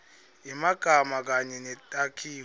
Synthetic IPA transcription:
imaɡ̥ʱamak̬aɲɛnɛtʼakʰiː

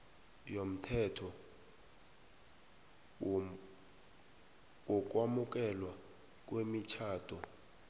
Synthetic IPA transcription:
jom̩tʰɛtʰɔ | wɔk̬ʼwamuk̬ʼɛlwa | k̬ʼwemit͡ʃʰaːtʰʼɔ

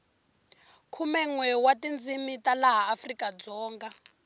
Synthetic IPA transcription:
kʰumɛŋwɛwatind͡zʱimitalaɦaːfrikʼad͡zɔːŋɡa

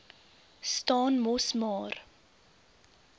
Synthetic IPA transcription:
stɑːnmɔsmɑːr

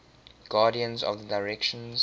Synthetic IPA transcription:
ɡ̥aːɾiə̃nzɔ̰vðədaɪɹɛkʃə̃nz

